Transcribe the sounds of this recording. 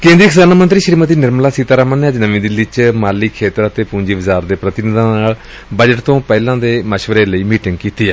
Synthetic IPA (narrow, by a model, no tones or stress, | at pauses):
kẽːnd̪ɾiːkʰɪsaːnaːmənt̪ɾiːʃɾiːmət̪iːnɪɾmlaːsit̪aːɾaːmãnːeːəd͡ʒnəʋĩːd̪ɪlːit͡ʃmaːliːkʰːeːt̪əɾət̪eːpũːd͡ʒiːbəzaːɾd̪eːpɾət̪ɪnɪd̪ãːnaːɭ | bəd͡ʒəʈt̪õːpɛːlãːd̪eːməʃʋəɾeːləiːmiːʈɪ̃ŋɡkiːt̪iːɛː